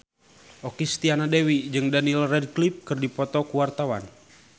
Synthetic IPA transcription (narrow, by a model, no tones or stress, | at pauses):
ʔɔkist̪ianadɛwid͡ʒɨŋdanilrɛd̚klip̚kɨrdipɔt̪ɔkuwart̪awa̰n